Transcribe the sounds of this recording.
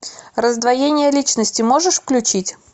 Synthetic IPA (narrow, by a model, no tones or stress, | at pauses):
rəzd̪vɐjenʲɪjəlʲit͡ɕnəsʲtʲɪmo̞ʐɨʂfklʲʉt͡ɕitʲ